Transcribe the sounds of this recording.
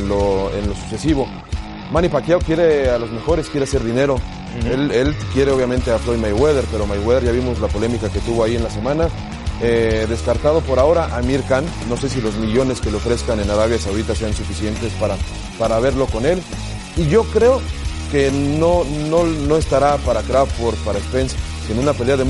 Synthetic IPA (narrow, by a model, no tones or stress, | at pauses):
nlo̞ḛnlo̞su̥se̞siβo̞ | mãnipakjaokje̞ɾe̞alo̞zme̞xo̞ɾe̞skje̞ɾe̞ase̞ɾðine̞ɾo̞ | ele̞lkje̞ɾe̞oβjamẽnt̪e̞aflo̞jmajɣweð̞e̞ɾpe̞ɾo̞majweðeɾʝaβimo̞zlapo̞le̞mikake̞t̪uβo̞aie̞nlase̞mãna | eðe̞skaɾt̪að̞o̞po̞ɾao̞ɾaʔamiɾkanːo̞se̞s̬ilozmiʝo̞ne̞ske̞loofɾe̞skane̞naɾaβjasawðit̪ase̞ansufisje̞nt̪e̞spaɾa | paɾaβ̞e̞ɾlo̞ko̞ne̞l | iʝo̞kɾe̞oke̞no̞nono̞e̞st̪aɾapaɾakɾaffoɾt̪̚paɾaekspens | senũnape̞le̞aðe